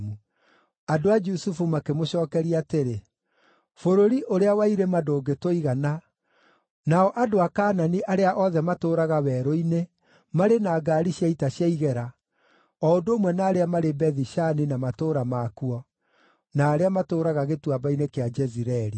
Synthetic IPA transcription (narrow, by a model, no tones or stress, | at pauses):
mu | adoad͡ʒusufumakemoɕɔːkɛɾiaːteɾe | foɾoɾiʔoɾeawaiɾemadoːɡetoiɣana | naɔʔadoakaːnaniʔaɾeaʔɔðɛmatoːɾaɣawɛɾoine | maɾenaːɡaːɾiɕjaitaɕjaiɣɛɾa | ɔondoːmwɛnaːɾeamaɾebɛðiɕaninamatoːɾamakuɔ | naːɾeamatoːɾaɣaɣetwabainekead͡ʒɛziɾɛɾi